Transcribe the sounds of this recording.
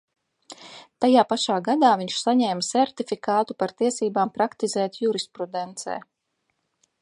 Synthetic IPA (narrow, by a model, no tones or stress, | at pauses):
t̪ajaːpaʃaːɡad̪aːviɲʃsaɲɛːmsɛɾt̪ifikaːt̪upaɾt̪iɛsiːbaːmpɾakt̪izɛːt̪juɾispɾud̪ɛnt̪sɛ̰ː